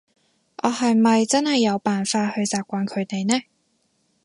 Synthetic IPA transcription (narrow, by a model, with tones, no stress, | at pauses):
ʔɔː˨˧hɐ˨jmɐ˨jt͡sɐ˥nhɐ˨jːɐ˨˧wpaː˨nfaː˧t̚hɵ˧ɥt͡saː˨p̚kʷaː˨˧˥nkʰɵ˨˧ɥt̪e˨jnɛː˥